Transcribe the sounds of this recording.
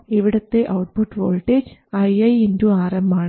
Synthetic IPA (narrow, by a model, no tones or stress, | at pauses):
iʋiɽɐt̪ːeʔɐwʈ̚puʈːʋo̰ːlʈːeːd͡ʑɐjɐjinduaːrɐmbaːɳ